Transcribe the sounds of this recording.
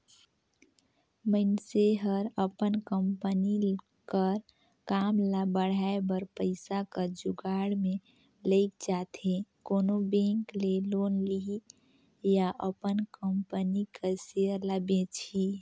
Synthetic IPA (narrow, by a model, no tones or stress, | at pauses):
məɪnseɦəɾəpənkəmpəni | kəɾ | kaːmlabəɽ̤aːebəɾpəɪsakəd͡ʒʊɡaːɽmẽ | ləɪk̚d͡ʒaːt̪ʰẽkoːnobẽːŋkleloːnli | jaʔəpənkəmpənikəseəɾləbẽt͡ʃʰi